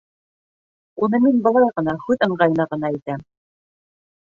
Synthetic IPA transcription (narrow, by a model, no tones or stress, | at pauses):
unɤminbɤ̆lˠɑjʁɤ̆nɑhʉðɤ̆ɴɢɑjɤ̆nɑʁɤ̆n̪ɑit̪æm